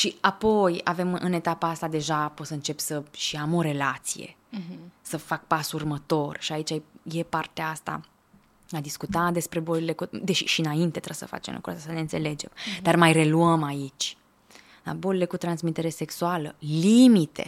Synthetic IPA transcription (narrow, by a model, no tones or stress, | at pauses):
ʃiapo̞ja̰ve̞mʔɨne̞t̪apaast̪ad̪e̞ʒapo̞səɨnt͡ʃe̞psəʃiamo̞ɾe̞lat̪sḭjḛ | səfak̚pasurmət̪o̞rʃiait͡ʃaje̞part̪eaast̪a̰ | ad̪iskut̪ad̪e̞spɾe̞bolile̞kud̪eʃiʃiɨnaint̪e̞t̪ɾəsə̰fa̰t͡ʃemlṵkɾṵʔa̰st̪asəne̞ɨnt̪se̞le̞d͡ʒe̞md̪armajre̞luəmait͡ʃʲ | d̪a̰bolile̞kut̪ɾansmit̪e̞ɾe̞se̞ksualəlimit̪e̞̰